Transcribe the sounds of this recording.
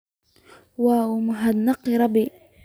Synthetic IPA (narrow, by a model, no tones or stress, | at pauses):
wamʊɦad̪nɑqːiɾˤɑbi